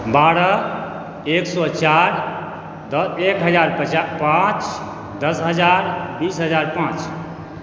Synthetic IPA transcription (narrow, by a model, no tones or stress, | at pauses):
baɾə | eksɔt͡ʃaɾ | d̪əekɦəd͡ʒaɾpət͡ʃapãt͡ʃ | d̪əsɦəd͡ʒaɾbisɦəd͡ʒaɾpãt͡ʃ